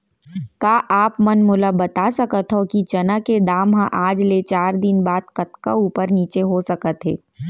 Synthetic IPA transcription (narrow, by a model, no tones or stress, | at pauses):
kaːʔaːpmɐnmʊləbɐt̪asɐkət̪ɦokit͡ʃɐnaked̪aːmɦãʔaːd͡ʒlet͡ʃaːɾd̪ɪnbaːd̪kɐt̪kauːpəɾniːt͡ʃeɦosɐkət̪ɦḛː